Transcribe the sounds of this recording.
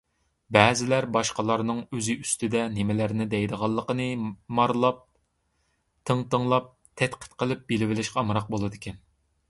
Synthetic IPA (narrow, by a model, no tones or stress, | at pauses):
bɛːzɪlæɾbɑʃqɑlˠɑɾnɨŋøzɪyst̪ɪd̪ɛnɪmɪlæɾnɪd̪ɛjd̪əʁɑlˠːəqənɨmɑɾlˠɑp̚ | t̪ʰəŋt̪əŋlˠɑp̚ | t̪ʰɛt̪qʰə̥t̪qʰəlˠɨp̚belɪvɪlɪʃqɛɑmɾɑq̚bolˠɨd̪ɨɪkʲʰɛn